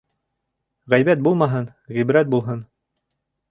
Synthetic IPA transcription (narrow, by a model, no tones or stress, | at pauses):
ʁæjbæt̪̚bulˠmɑɦɤn | ʁibɾæt̪̚bulˠɦɤn